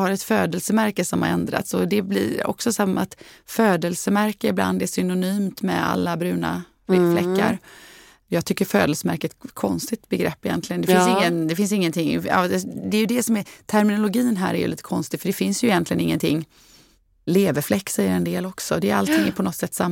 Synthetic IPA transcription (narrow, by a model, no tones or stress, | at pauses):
haɾɛt̪føːd̪əlsəmæɾkəsɔmhaɾɛnd̪ɾa̰t̪sɔd̪ɛblḭːɾɔ̰ksɔsamːma̰t̪føːd̪əlsəmæɾkəɪbla̰nd̪ɛsʏnʊnyːmt̪mɛ̰a̰lːabɾʉ̟ːna̰ | flɛkːa̰ɾ | jɑːɡ̚t̪ʰʏkːəɾfø̰ːd̪əlsəmæɾkət̪kʰɔnst̪ɪɡt̪bɛɡɾɛpːɪjɛ̰nt̪lɪɡəndɛfɪnsɪŋːənd̪ɛfɪns̬ɪŋːənt̪ʰɪŋːɑ̰ːd̪ɛjɵd̪ɛsɔmɛt̪ʰæɾmɪnʊlʊɡiːnɦæ̰ːɾɛ̰ɾjɵ̰lḭːt̪ə̥kʰɔnst̪ɪɡfœɖɛfɪnsjɵɪjɛnt̪lɪɡənɪ̰ŋːənt̪ʰɪŋː | leːvəflɛkːsɛjːəɾɛnd̪eːlɔksɔd̪ɛːɾa̰lt̪ʰɪŋːæpʰɔnɔt̪ːsɛt̪ːsamː